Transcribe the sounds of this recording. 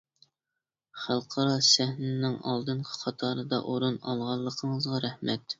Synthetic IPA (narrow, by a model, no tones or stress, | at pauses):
χælˠqʰɑɾɑsæhnɪnɪŋɑlˠd̪ɨnqʰə̥qʰɑt̪ʰɑɾɨd̪ɑ̰ʔoɾunɑlˠʁɑlˠːəqʰəɴəzʁɑɾæhmɛt̪